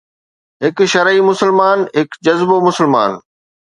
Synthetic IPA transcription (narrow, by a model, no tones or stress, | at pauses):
ɦɪkʃɐɾimʊsəlmaːnɦɪkd͡ʑɐzbomʊsəlma̰ːn